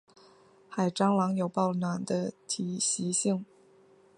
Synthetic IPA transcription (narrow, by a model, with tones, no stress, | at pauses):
xa˨˩ɪʈ͡ʂɑ˥ŋlɑ˧˥ŋjo˨˩ʊpɑ˥˩ʊnwa˨˩nd̪ə˦t̪ʰi˨˩ɕi˧˥ɕi˥˩ŋ